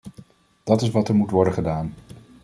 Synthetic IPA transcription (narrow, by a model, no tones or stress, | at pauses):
d̥ɑtɪsʋɑtɛɹmutʋɔɹdəχədaːn